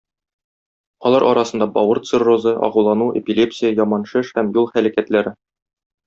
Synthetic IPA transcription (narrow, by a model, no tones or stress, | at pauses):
ɒlˠɑɾʔɒɾɑsɤ̆nd̪ɑbɒwɤɾt̪sɨrozɤʔɒ̰ʁɤlˠɑnuʔḛpʲilʲe̞psʲɪjəjɒmɑnʃɘʃhæmjulˠχælækæt̪læɾɘ